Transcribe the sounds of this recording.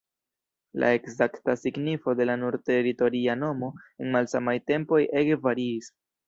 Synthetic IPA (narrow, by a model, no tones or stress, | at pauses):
lʔa̰e̞kzaktasiɡnifo̞de̞lanuɾte̞ɾito̞ɾiano̞mo̞enmalsamajte̞mpo̞je̞ɡvaɾiːs